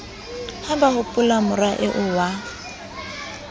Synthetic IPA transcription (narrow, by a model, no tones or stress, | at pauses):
hambahʊpʼʊlamʊraʔɪʔʊwa